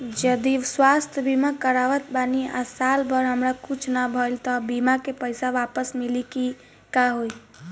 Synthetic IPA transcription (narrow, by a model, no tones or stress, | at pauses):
d͡ʒəd̪iswast̪ʰjəbimakəɾaʋət̪̚bania̰salbəɾɦəmɾakut͡ʃʰnabʱəlt̪ɔbimakepəjsaʋapəsmiliki | kaɦoj